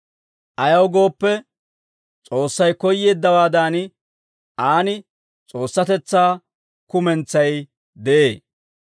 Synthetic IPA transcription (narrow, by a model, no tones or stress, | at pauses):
ʔɐjɐwɡo̞ːpːɛ | t͡sʼo̞ːsːɐjkɔjːe̞ːd̪ːɐwaːd̪aːnɪ | ʔaːnɪ | t͡sʼo̞ːsːɐt̪ɛt͡sːaː | kʊmɛnt͡sːɐj | d̪ɛʔeː